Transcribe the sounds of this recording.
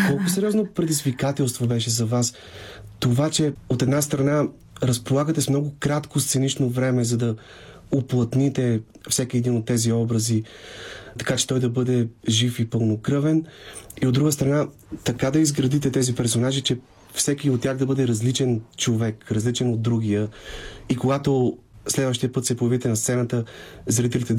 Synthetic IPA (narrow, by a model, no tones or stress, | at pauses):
kɔlˠkʊsɛɾʲiɔznopɾɛd̪izvikat̪ɛlˠst̪vobɛʃɛzɐvas | t̪ovat͡ʃɛot̪ɛd̪nast̪ɾɐna | ɾɐspolˠaɡət̪ɛsmnɔɡʊkɾat̪kost̪sɛnit͡ʃnovɾɛmɛzɐd̪ɐ | oplˠɐt̪nit̪ɛ | fsɛkiɛd̪inot̪ːɛziɔbɾɐzi | t̪ɐ̥kat͡ʃɛ̥t̪ɔjd̪ɐbɤd̪ɛʒifipɤlˠnokɾɤvɛniod̪ːɾuɡəst̪ɾɐna | t̪ɐkad̪ɐizɡɾɐd̪it̪ɛt̪ɛzipɛɾsonaʒit͡ʃɛ | fsɛkʲiot̪t̪ːʲjaxd̪ɐbɤd̪ɛɾɐzlit͡ʃɛnt͡ʃovɛkɾɐzlit͡ʃɛnod̪̚ːɾuɡijəikoɡat̪oslɛd̪vəʃt̪ijəpɤt̪sɛpʊjɐvit̪ɛnɐst̪sɛnət̪əzɾit̪ɛlit̪ɛ